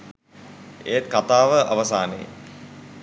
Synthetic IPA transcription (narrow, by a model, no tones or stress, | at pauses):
ḛːt̪̚kat̪aːʋəʔa̰ʋəsaːnḛj